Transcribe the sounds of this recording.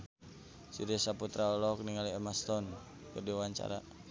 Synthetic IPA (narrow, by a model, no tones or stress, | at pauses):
siɾɛsaput̪ɾaɔlɔk̚niŋaliɛmast̪ɔn | kɨrdiawaɲt͡ʃa̰ɾa